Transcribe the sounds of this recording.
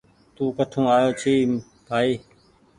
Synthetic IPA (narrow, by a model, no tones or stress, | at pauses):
t̪uːkəʈʰũːaːjoːt͡ʃʰiː | bʱaːiː